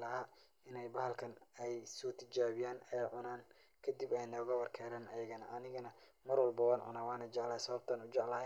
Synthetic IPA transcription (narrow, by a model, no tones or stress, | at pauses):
lɐɦaː | ɪnɛjbɐhɐlkʰɐnɛjsɔːt̪ʰɪt͡ʃaːβɪjaːnɛjʕʊnaːn | kʰɐd̪ibɛjnɔːɣɐwɐrkʰɛːɾaːnɐjɐɣɐnɐʔɐnɪɣɐnɐ | mɐrwɐlbɐwaːnʕʊ̰naːwaːnɐt͡ʃɛʕlɐhɐsɐβɐb̚t̪ʰɐːnʊt͡ʃɛʕlɐɦɛ